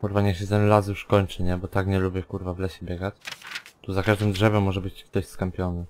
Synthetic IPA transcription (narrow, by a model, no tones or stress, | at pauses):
kuɾvaɲɛɕɛt̪ɛnlas̬juʂkɔɲt͡ʂɘɲɛbɔt̪akɲɛlubʲjɛkuɾvavlɛɕɛbʲjɛɡat͡ɕt̪uzakaʐd̪ɘmdʐɛvɛmːɔʐɛbɘt͡ɕkt̪ɔɕskampʲjɔnɘ